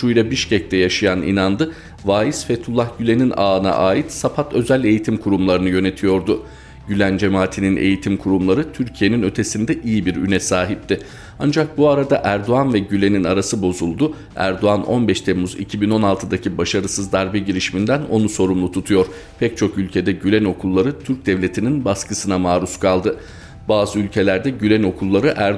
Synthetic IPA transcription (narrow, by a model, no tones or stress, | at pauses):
ʃujɾabiʃcɛc̚t̪ʰɛjaʃajanḭnand̪ɯ | vaːjisfɛt̪ʰulˠːahɟylʲe̞ninʔaːna̰ʔaːjit̪sapʰat̪ʰø̞zælʲe̞jit̪ʰimkʰuɾumlˠaɾɯnɯjø̞ne̞t̪ʰijo̞ɾd̪ʊ | ɟylʲænd͡ʒe̞maːt̪ʰininʔe̞̰jit̪ʰimkʰuɾumlˠaɾɯt̪ʰyɾcʰije̞ninø̞t̪ʰe̞sind̪ɛʔijibiɾy̰nɛsaːɦip̚t̪ʰɪ | and͡ʒak̚buaɾad̪aʔæɾd̪oanvɛɟylʲe̞ninaɾasɯbo̞zulˠd̪ʊ | æ̰ɾd̪o̞anʔo̞̰nbɛʃt̪ʰemuzḭcʰibino̞nalˠt̪ʰɯd̪acʰibaʃaɾɯsɯzd̪aɾbɛɟiɾiʃimind̪æno̞nuso̞ɾumlˠut̪ʰut̪ʰujo̞ɾ̥ | pʰɛc̚t͡ʃʰo̞kylʲcʰe̞d̪ɛɟylʲɛno̞kʰulˠːaɾɯt̪ʰyɾc̚d̪ɛvlʲe̞t̪ʰininbaskɯsɯnamaːɾuskʰalˠd̪ɯ | baːzɯylʲcʰe̞lʲæɾd̪ɛɟylʲɛno̞kʰulˠːaɾɯʔæɾ